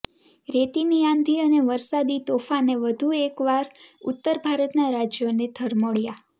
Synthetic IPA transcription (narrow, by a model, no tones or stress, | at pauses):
ɾet̪iniãnd̪ʱiəneʋəɾsad̪it̪ofaneʋəd̪ʱuekʋaɾʊ̰t̪ːəɾbʱaɾət̪naɾad͡ʒjoned̪ʱəɾməɭja